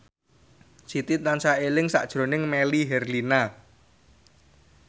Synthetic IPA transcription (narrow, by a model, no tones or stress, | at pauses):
sit̪it̪̚nansaelɪŋsa̰ʔd̥ʒ̥ɾo̤nɪŋmeliɦɛrlina